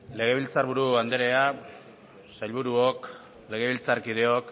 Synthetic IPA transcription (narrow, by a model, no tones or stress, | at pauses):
le̞ɣ̞e̞β̞ilt͡saɾβuɾuand̪eɾe̞a | sajlβuɾuok | le̞ɣ̞e̞βilt͡saɾkið̞e̞ok